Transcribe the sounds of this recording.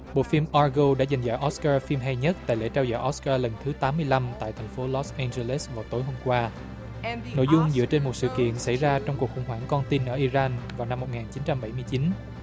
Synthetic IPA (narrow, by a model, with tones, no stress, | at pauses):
ɓo̰˧˨fi˧mʔaː˧ɣo˧ɗa̰˧˥za˨˩ŋ̟za̰ː˧˩ʔɔ˦˥skaː˧fi˧mɦa˧jɲə˦˥t̚t̪a̰ː˧˨jlḛ˧˥t͡ɕaː˧wzɔ̰ː˧˨˩ʔɔ˦˥skaː˧lə˨˩nt̪ʰɨ˨˦t̪aː˨˦mːɨ˧əjla˧mt̪a̰ː˧˨jt̪ʰɛ˨˩ŋfo˨˦lɔ˨˦˥sʔɛ˧nze˧le˦˥svaː˨˩wt̪o˨˦jɦo˧mkwaː˧ | no̰˧˥jzʊ˧ŋ͡mzɨ̰˧˥ət͡ɕe˧nmo˨˩t̚sɨ̰˧˨kḭ˧˨ənsa˧˩jzaː˧t͡ɕɔ˧wŋ͡mku˨˩k̚xʊ̰˧˩ŋ͡mɦwaː˧˩ŋkɔ˧nt̪i˧nʔəː˧˩ʔi˧zaː˧nvaː˨˩wna˧mːo˨˩t̚ŋaː˨˩nt͡ɕi˨˦nt͡ɕa˧mɓa˧˩jmɨ˧əjt͡ɕi˨˦n